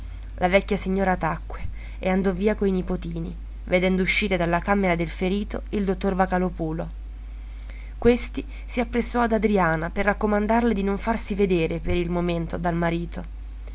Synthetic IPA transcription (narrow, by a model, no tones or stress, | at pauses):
lʔavɛkːjasiɲːoːɾat̪akːwe | ḛand̪ɔviːakoinipot̪iːnḭ | ved̪ɛnd̪ouʃːiːɾed̪alːakameɾad̪elfeɾiːt̪oild̪ot̪ːorvakalopuːlo | kwest̪i | siapːɾesːɔad̪ad̪ɾiaːnaperːakːomand̪arled̪inoɱfarsived̪eːɾepeɾilmoment̪od̪almaɾiːt̪o